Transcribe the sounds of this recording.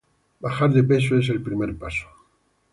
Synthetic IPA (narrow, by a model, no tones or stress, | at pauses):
baxaɾðepe̞s̬oe̞s̬elpɾimeɾpaso̥